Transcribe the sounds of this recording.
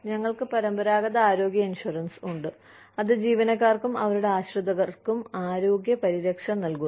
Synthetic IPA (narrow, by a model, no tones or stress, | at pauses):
ɲɐŋːɐɭkɨpɐɾɐmbɐɾaːɣɐðɐaːɾo̞ːɡjɐinʂuɐrɐnsuɳɖɨ | ɐðɨd͡ʑiːʋɐnɐkːaːrkumɐʋɐɾuɽe̞aːɕrɨd̪ɐɣɐrkumaːɾo̞ːɡjɐpɐɾiɾɐkʂɐmnɐlku